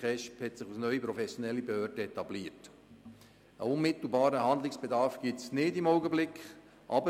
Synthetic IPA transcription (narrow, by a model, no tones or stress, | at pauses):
ɛʃphɛtsɪχusnœʏipɾɔfɛsjonɛlːibehœːɾd̥əɛtɑbliːət | əʊnmɪt̪l̩ˠbɑːɾəhɑnd̪lɪksb̥edɑɾfɡ̥itsnɪdimɔʊɡəblɪkχ | ʔɑ̰bə